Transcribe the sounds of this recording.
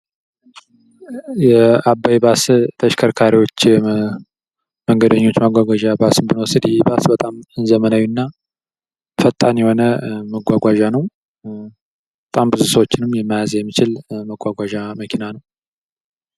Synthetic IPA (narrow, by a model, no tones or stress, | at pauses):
jɛabːajbast̪ʰəʃkʰəɾkʰaɾiwo̞t͡ʃː | məŋɡəd̪əɲːo̞t͡ʃːmaɡʷaɡʷaʒabasɨmbɨnwɔsɨd̪jɛbasbət̪ʼamɨnzəmənawjːunːa | fət̪ʼːanjɛho̞nəməɡʷaɡʷaʒanəw | bət̪ʼambɨzusəwot͡ʃːɪnɨmjɛmːajazjɛmːit͡ʃɪlməɡʷaɡʷaʒaməkʰinanəw